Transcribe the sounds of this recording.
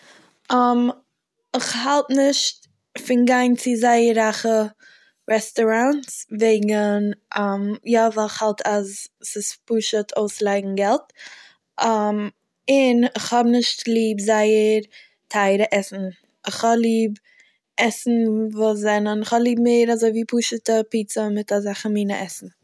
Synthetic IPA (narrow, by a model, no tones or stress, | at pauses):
ʔam | ɪχhalˠtnɪʃt | fɪnɡaɪnt͡sɪzaɪəɾaχə | ɾɛstɔɾantsveɪɡənamjavalˠɪχhalˠtʰazsɪspuʃətʰoʊslˠaɪɡŋ̩ɡɛlˠt | am | ɪnɪχhɔbnɪʃtlˠiːbzaɪəɾ | tʰaɪɾəʔɛsn̩ | ɪχhɔblˠiːb | ɛsn̩voːs̬zɛnənɪχhɔblˠiːbmeːɾazoɪviːpuːʃətəpiːt͡səmɪtazaχəmiːnəʔɛsn̩